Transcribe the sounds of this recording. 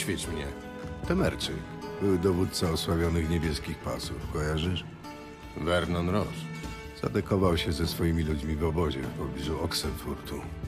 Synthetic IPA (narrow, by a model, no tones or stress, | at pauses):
fʲɛt͡ʂmɲɛ | t̪ɛmɛɾt͡ʂɘ | bɘwd̪ɔvut̪t̪saɔswavʲjɔnɘxɲebʲjɛskʲixpa̰sufkɔjaʐɘʂ | vɛɾnɔnɾɔs | z̥a̰d̪ɛkɔvawɕɛzɛsfɔjimʲilud͡ʑmʲivɔbɔʑɛ̰fpɔbʲizuɔksɛt̪fuɾt̪u